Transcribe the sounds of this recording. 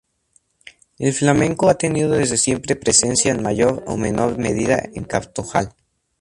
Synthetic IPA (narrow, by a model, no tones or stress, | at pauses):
e̞lflamẽ̞ŋko̞at̪e̞niðo̞ðe̞zðe̞sje̞mpɾe̞pɾe̞se̞nsjaenmaʝo̞ɾo̰me̞nʔo̞ɾme̞̰ðiða̰ḛŋkapt̪oxal